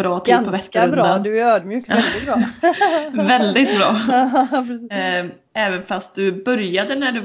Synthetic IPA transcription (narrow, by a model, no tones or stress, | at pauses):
ɾɑːt̪ʰd̪pʰɔvɛskːaɾɵnd̪ad̪øːd̪mjʉːkɛldɪɾ | vɛld̪ɪt̪bɾɑː | ɛːvənfast̪̚d̪ɵbœɾjad̪ənæɖɵ